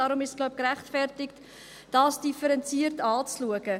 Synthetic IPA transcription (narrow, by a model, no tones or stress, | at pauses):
ɑːɾʊmɪʃsɡ̥laʊp̚kɾæχtfɛrtɪkt | d̥ɑːsd̥ifəɾɛnt͡siərtɑːt͡sluəɡə